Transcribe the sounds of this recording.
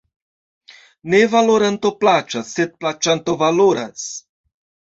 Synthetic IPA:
nevaloɾant̪o̞plat͡ʃasːed̪̚plat͡ʃant̪o̞valoɾas

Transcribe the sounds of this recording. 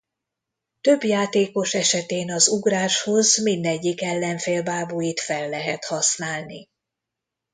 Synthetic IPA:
t̪ø̞bjaːt̪eːko̞ʃɛʃɛt̪eːnɒzuɡraːʃho̞zmind̪ɛɟːikɛlːɛɱfeːlbaːbujit̪fɛlːɛɦɛt̪hɒsnaːlnḭ

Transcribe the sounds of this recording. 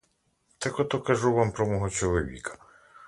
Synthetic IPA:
t̪ɛkɔt̪ɔkɐʒuʋampɾɔmɔɦɔt͡ʃɔlˠɔʋʲḭkɐ̥

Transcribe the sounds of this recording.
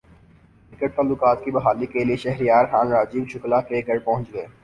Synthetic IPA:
ɪkəʈ̚t̪ɐlːuːkaːt̪kibɐɦaːlikelieʃɛɦɾijaːɾxãːnɾaːd͡ʒiːbʃʊklakeɪkəʈ̚pɐɦʊ̃ɲt͡ʃɡəeː

